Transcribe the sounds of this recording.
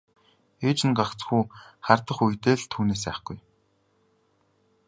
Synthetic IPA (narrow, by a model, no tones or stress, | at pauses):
eːt͡ɕɪ̆nɢakt͡sxuːχart̪ə̆χujt̪eːɮt̪ʰuːneːs̬æ̰ːχɡ̥uj